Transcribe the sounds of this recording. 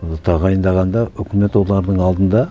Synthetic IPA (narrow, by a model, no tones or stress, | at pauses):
t̪ʰɑʁɑjənd̪ɑʁɑnd̪ɑʏkʲɪme̞t̪wo̞lˠɑɾd̪əɴɑlˠd̪ənd̪ɑ